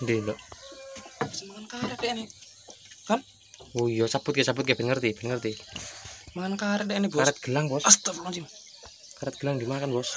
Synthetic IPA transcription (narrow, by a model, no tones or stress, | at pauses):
ndind̪ɔʔ | smaŋankaɾɛdene | kan | ujɔsab̥ʊt̪kesabʊt̪̚keb̥ɛnŋərt̪ib̥ɛnŋərt̪i | maankaɾɛdɛnebɔkaɾɛt̪̚ɡ̥əlaŋbɔsast̪əmat͡ʃim | kaɾɛt̪̚ɡ̥əlaŋd̪imakanbɔs